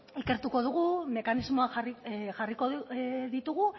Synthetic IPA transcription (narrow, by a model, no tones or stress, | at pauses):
ike̞ɾt̪uko̞ð̞uɣume̞kanizmo̞axariʝariko̞ðit̪uɣu